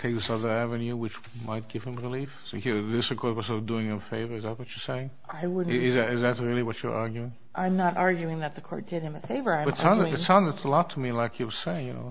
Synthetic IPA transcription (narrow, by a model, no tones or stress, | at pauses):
tʰeɪk̚ðɪsʌðə˞ævɨ̃njʉwɨt͡ʃ | mʔaɪt̚ɡ̥ɪv̥ɨ̃mɹɪlifsoiðɪsʌ̥kʰɔɹt̚wəsɔʌduɪ̃ŋɨfeɪvə˞ɨzðæt̚wʌt͡ʃə˞seɪɪ̃ŋ | aɪwʊdⁿɪzɨɾɨzðɨt̚ɹɪlˠiwʌt͡ʃə̰˞ʔɑɹɡjʉɪ̃ŋ | ʔãɪ̃mnəɾɑɹɡjʉɪ̃ŋðɨt̪̚ðɨkʰɔ̰ɹt̚d̥ɪɾɨ̃mɨfeɪvə˞ãɪ̃bʌɨtsãnzɨtsãʊ̃nzɨtsəlɔtʰəmilaɪkʰjɨwʌz̥seɪɪ̃ŋjɨ̰no̰ʊ